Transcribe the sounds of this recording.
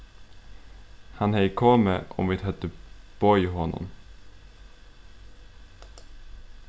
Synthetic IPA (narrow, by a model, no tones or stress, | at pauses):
hanhɛjkʰɔːməʔɔ̰mʋɪt̪hɛt̪ːəb̥ɔjɦɔnːɔ̰m